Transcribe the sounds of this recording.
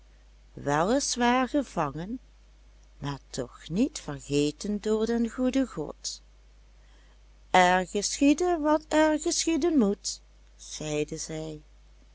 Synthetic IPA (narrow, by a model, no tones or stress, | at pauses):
ʋɛlˠəsʋaːɹɣəvɑŋən | maːɹtʰɔxnitfəɹɣeːtəndʊːɹdɛnɣudəɣɔ̰t | ʔɛɹɣəsχidənʋɑtɛɹɣəsxidənmut | z̥ɛjdəzɛj